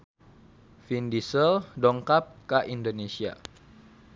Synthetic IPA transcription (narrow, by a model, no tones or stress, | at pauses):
findisəldɔŋkap̚kaʔindonesia̰